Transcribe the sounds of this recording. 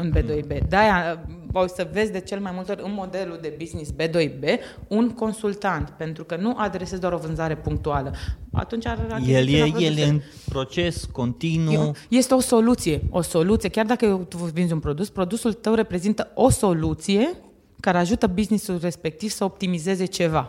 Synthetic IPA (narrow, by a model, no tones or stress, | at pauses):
ɨnbed̪ojbe̞d̪aja | asəve̞zʲd̪e̞t͡ʃe̞lemajmult̪eo̞ɾʲɨnmo̞d̪e̞luld̪e̞biznisbe̞d̪o̞jbe̞ | unko̞nsult̪ant̪pe̞nt̪ɾukənuʔad̪ɾesezd̪oaɾo̞vɨnzaɾe̞puŋk̚t̪ualəa̰t̪unt͡ʃaajeljejeljeeɨn | pɾo̞t͡ʃe̞sko̞nt̪inuje̞st̪eoso̞lut̪sije̞o̞so̞lut̪sije̞kʲard̪akəjewt̪uvinzunpɾo̞d̪uspɾo̞d̪usult̪əwɾe̞pɾe̞zint̪əo̞so̞lut̪sije̞ | kaɾeaʒut̪əbiznisulre̞spe̞k̚t̪iv̥səop̚t̪imize̞ze̞t͡ʃe̞va